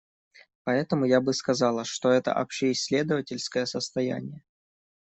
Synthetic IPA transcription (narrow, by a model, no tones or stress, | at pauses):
pɐɛt̪əmʊjabɨskɐzɑlˠəʂt̪o̞ɛt̪ə̰ʔɐ̰pɕeɪsʲːlʲe̞d̪əvətʲɪlʲskəjəsəst̪ɐjæ̰nʲɪjə